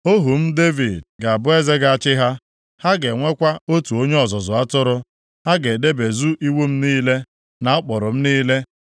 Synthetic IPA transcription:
o˦ɦu˨m̩˦de˦vi˨dɡa˨a˨bʊ˦e˦ze˦ɡa˨a˦˨t͡ʃɪ˦ɦa˦ | ha˦ɡe˨ŋʷe˦kʷa˦o˦tu˨o˦ɲe˦ɔ˨zɔ˨zʊ˨a˦tʊ˦ɾʊ˦ | ha˦ɡe˨de˦be˨zu˦ʔi˦wu˦m̩˦niː˦le˦ | na˨ɔ˦k͡pʊ˨ɾʊ˨m̩˦niː˦le˦

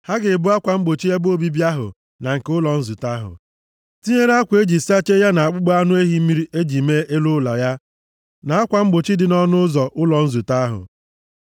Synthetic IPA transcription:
ha˦ɡɪ˨bu˦a˦kʷa˨ŋ͡m̩˦ɡ͡bo˨t͡ʃi˦ja˦bo˦bi˦bi˦a˦ɦʊ̰˨ | na˨ŋ̩˨ke˦ʊ˦lɔ˨n̩˦zu˨ta˦ɦʊ̰˨ | ti˦ɲe˦ɾe˦a˦kʷe˦d͡ʒi˨si˦a˦t͡ʃe˦ja˦na˨a˨k͡pʊ˦ɡ͡bɔ˦a˦nʊ˦e˦ɦi˦mi˦ɾi˦ʔe˦d͡ʒi˨me˦ʔe˦lʊ˦la˨ja˦ | na˨a˦kʷa˨ŋ͡m̩˦ɡ͡bo˨t͡ʃi˦dɪ˨nɔ˦nʊ˦zɔ˨ʔʊ˦lɔ˨n̩˦zu˨ta˦a˦ɦʊ̰˨

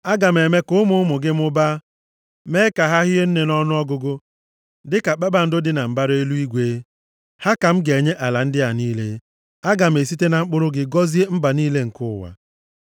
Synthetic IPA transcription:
a˦ɡa˨m̩˨e˨me˦kʊ˦ʊ˦mʊ˦ʊ˦mʊ˨ɡɪ˦m̩˦ʊ˦ba˦ | me˦ka˨ɦa˦ɦɪ˦e˦n̩˦ne˨nɔ˦nʊ˦ɔ˦ɡʊ˨ɡʊ˦ | dɪ˦ka˨k͡pa˦ba˨n̩˦dʊ˦dɪ˦na˨m̩˨ba˦ɾe˦lu˦i˦ɡʷe˨˦ | ha˦ka˨m̩˦ɡe˨ɲe˦ʔa˨la˨n̩˦dɪ˦a˨niː˦le˦ | a˦ɡa˨m̩˨e˨s̬i˦te˦na˨ŋ͡m̩˦k͡pʊ˦ɾʊ˦ɡɪ˨ɡɔ˦zi˦e˦m̩˦ba˨niː˦le˦ŋ̩˨kʊ˦˨wa̰˨

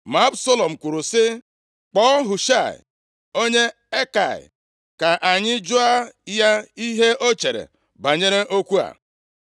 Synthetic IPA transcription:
ma˨˦bso˦lo˨m̩˨kʷu˨ɾu˨sɪ˦ | k͡pɔ˦ɦʊ˨ʃa˦˨ɪ̰˨ | o˦ɲe˦ | e˦ka̰˨ɪ̰˨ | ka˨ʔa˨ɲɪ˦d͡ʒʊ˦a˦ja˦i˦ɦe˦o˦t͡ʃe˨ɾḛ˨ | ba˨ɲe˦ɾe˦ʔo˦kʷu˦a̰˨

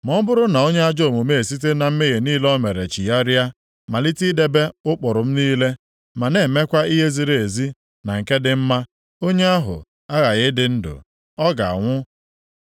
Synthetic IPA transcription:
mɔ˦bʊ˦ɾʊ˦na˨o˦ɲe˦a˦d͡ʒo˦˨mu˨me˦˨si˦t̬e˦na˨m̩˦me˦ɣe˨niː˦lɔ˦me˨ɾe˨t͡ʃi˨ja˦ɾja˦ | ma˨li˦ti˦de˦be˦ʊ˦k͡pɔ˨ɾʊ˨m̩˦niː˦le˦ | ma˨ne˨me˦kʷa˦i˦ɦe˦zi˨ɾe˨e˨zi˦ | na˨ŋ̩˨ke˦dɪ˨m̩˦ma˦ | o˦ɲe˦a˦ɦʊ̰˨ | a˦ɣa˨ɣɪ˦dɪ˨n̩˦dʊ̰˨ | ɔ˦ɡa̰˨a̰˨ŋʷʊ˦

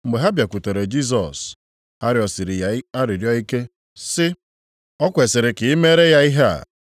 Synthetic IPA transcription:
ŋ͡m̩˨ɡ͡be˨ɦa˦bja˨ku˨to˨ɾe˨d͡ʒi˦s̬ɔ˨s | a˦ɾɪ˨ɔ˨sɪ˨ɾɪ˨˦a˦ɾɪ˨ɾjɔ˦i˦ke˦ | sɪ˦ | ɔ˦kʷe˨sɪ˨ɾɪ˨kɪ˨i˦me˦ɾe˦ja˦i˦ɦe˦a̰˨

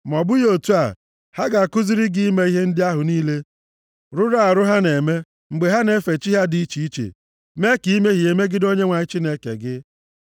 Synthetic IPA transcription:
m˨ɔ˨bʊ˦jo˨tu˦a˨ | ha˦ɡa˨a˨kʊ˦zi˦ɾɪ˦ɡi˦i˦me˦i˦ɦe˦n̩˦dɪ˦a˦ɦʊ˨niː˦le˦ | ɾʊ˦ɾa˦˨ɾʊ˦ɦa˦ne˨me˦ | ŋ͡m̩˨ɡ͡be˨ɦa˦ne˦fe˨t͡ʃi˦ɦa˦di˨i˦t͡ʃi˨i˦t͡ʃḛ˨ | me˦ki˨i˦me˦ɦi˨e˨me˦ɡɪ˦do˦ɲe˦ŋʷa˨ɪ˦t͡ʃi˦ne˦kḛ˨ɡɪ˦

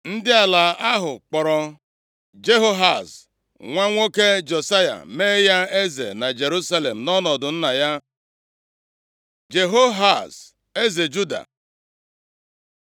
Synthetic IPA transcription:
n̩˦dɪ˦a˨la˨a˦ɦʊ˨k͡pɔ˨ɾɔ˨ | d͡ʒe˦ɦo˦ɦa˨s | ŋʷa˦ŋʷo˦ke˦d͡ʒo˨sa˦ja̰˨me˦ja˦e˦zḛ˨na˨d͡ʒe˨ɾu˦sa˦le˨m̩˨nɔ˦nɔ˨dʊ˨n̩˦na˨ja˦ | d͡ʒe˨ɦo˦ɦa˨s | e˦ze˨d͡ʒu˦da̰˨

